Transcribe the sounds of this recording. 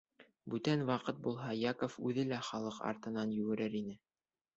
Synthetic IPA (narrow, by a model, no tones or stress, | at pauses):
bʉt̪ænwɑqɤt̪̚bulˠɦɑjɑkŏfʉðɘlæχɑlˠɤqɑ̰ɾt̪ɤ̆nɑnjɵ̆ɡɘ̆ɾɘɾinɘ